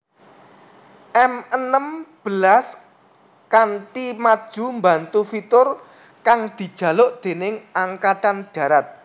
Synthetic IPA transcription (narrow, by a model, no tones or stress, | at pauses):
ʔɛmənəmb̥əlas | kantimad̥ʒ̥ṳmbant̪ufit̪ʊr | kaŋd̪̥i̤d̥ʒ̥ä̤lʊʔd̪̥e̤nɪŋaŋkat̪anɖ̥ä̤ɾat̪̚